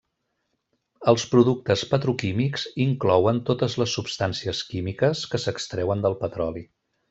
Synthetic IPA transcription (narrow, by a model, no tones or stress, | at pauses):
əlˠspɾuðuk̚t̪əspət̪ɾukimikziŋklɔwənt̪ot̪əzləsːupst̪ansiəskimikəskəsəkst̪ɾɛwənd̪əlˠpət̪ɾɔli